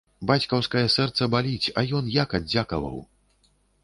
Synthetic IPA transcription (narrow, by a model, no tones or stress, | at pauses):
bat͡sʲkɐwskɐjɐsɛrt̪sɐbalʲit͡sʲɐjɔnjakad̪d͡zʲakɐ̰vɐ̰w